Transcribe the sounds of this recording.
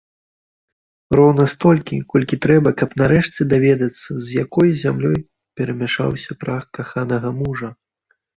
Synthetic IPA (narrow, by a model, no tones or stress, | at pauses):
rɔwnɐst̪ɔlʲkʲikɔlʲkʲit̪ɾɛbɐkɐpnaɾɛʂt͡sʲɛd̪avʲɛd̪ɐt̪sːɐzʲjakɔjzʲamlʲɔj | pʲɛɾɐmʲaʂa̰wsʲɐpɾaxkaxanɐɣɐmuʐɐ